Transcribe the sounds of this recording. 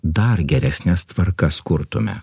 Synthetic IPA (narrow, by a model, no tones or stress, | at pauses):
d̪ɐɾɡʲɛɾʲɛsʲnʲɛst̪ʋɐɾkɐskʊɾt̪ʊmʲɛ̰